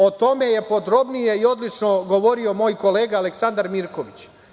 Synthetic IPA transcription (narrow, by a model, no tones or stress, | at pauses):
o̞t̪o̞me̞je̞po̞d̪ɾo̞bnije̞io̞d̪lit͡ʃno̞ɡo̞ʋo̞ɾio̞mo̞ːjko̞le̞ːɡaale̞ksand̪aɾmiɾko̞ʋit͡ɕ